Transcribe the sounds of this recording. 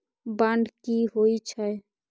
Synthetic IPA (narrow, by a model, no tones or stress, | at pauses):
baɳɖkiɦoit͡ʃʰəe